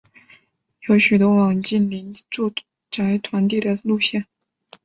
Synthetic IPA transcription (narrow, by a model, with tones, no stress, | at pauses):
jo˧˥ʊɕy˨˩t̪wɔ˧˥wɑ˨˩ŋt͡ɕi˥˩nli˧˥nʈ͡ʂu˥˧ | ʈ͡ʂa˧˥ɪt̪ʰwa˧˥nt̪̬i˥˩d̪ə˩lu˥˧ɕjɛ˥˩n